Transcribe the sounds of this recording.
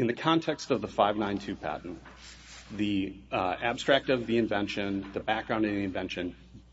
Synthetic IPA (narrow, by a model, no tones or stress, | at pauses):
ɨ̃nðɨkʰɑ̃ntʰɛkstʌvðəfaɪvnãɪ̃ntʰʉpʰæ̰ʔn̩ | ði | æb̥stɹ̥æk̚tʌvðiɨ̃ɱvɛ̃nʃɨ̃nðɨbæk̚ɡ̥ɹãʊ̃nʌðiɨ̃ɱvɛ̃nʃɨ̃n